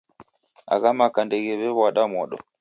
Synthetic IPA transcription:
a̰ɣamakandɛɣɛβɛβwaɗamwɔɗɔ̰

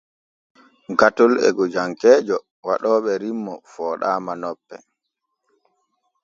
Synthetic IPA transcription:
ɡatɔlɛ̰ɡɔd͡ʒaŋkɛːd͡ʒɔ | waɗɔːɓɛɾimːɔfɔːɗaːmanɔpːɛ

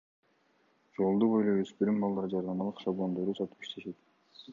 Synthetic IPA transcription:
d͡ʒo̞lˠd̪ubo̞jlˠojøspyɾymbɑlˠd̪ɑɾd͡ʒɑɾd̪ɑmɑlˠɯqʃɑblˠo̞nd̪o̞ɾd̪usɑt̪u̥pi̥ʃt̪ʰe̞ʃe̞t̪

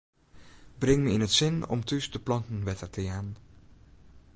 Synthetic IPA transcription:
brɪŋməɪnɦətsɪnɔ̰mtysdəplɑntən̩ʋɛtərtəjaːn

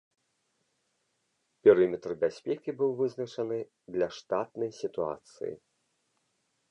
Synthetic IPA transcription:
pʲɛɾɨmʲɛt̪rbʲasʲpʲɛkʲibɨwvɨznɐt͡ʂɐnɨ | d̪lʲɐʂt̪at̪̚nɐjsʲit̪ua̰t̪sɨ̰jḭ

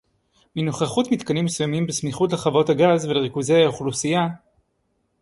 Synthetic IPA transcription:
minoχaχutmit̪kanimːesujamimbesmiχutleχavo̞thaɡazveleʁikuzejauχlusija

